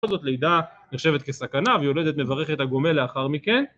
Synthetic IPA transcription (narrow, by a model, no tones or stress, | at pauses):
olzo̞t̪le̞id̪aneχʃe̞vet̚kesakanavejo̞le̞d̪e̞t̪mevaʁe̞χet̪haɡo̞me̞leaχaʁmike̞n